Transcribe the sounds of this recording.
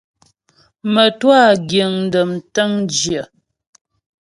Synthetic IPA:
mə˨twa˦˨ɡjə˨ŋn̩˦də˨mtə˦ŋd͡ʒjə˨

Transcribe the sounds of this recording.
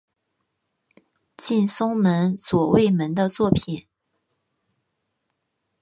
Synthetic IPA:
t͡ɕi˥˩nsʊ˥ŋmə˧˥nswɔ˨˩we˥˩ɪmə˧˥nd̪ə˧t͡swɔ˥˩pʰi˨˩˦n

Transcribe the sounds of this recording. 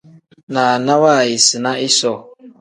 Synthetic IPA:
na˨na˦wa˦˨ji˨sɨ˨na˦ɪ˦sɔ˦˨

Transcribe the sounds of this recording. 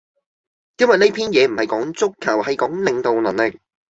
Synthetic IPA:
jɐ˥nwɐ˨˩ne˥jpʰiː˥njɛː˨˧m̩˨˩hɐ˨jkɔː˨˥ŋt͡sʊ˥kʰːɐ˨˩whɐ˨jkɔː˨˥ŋlɪ˨ŋt̪o˨wlɐ˨˩nlɪ˨k̚

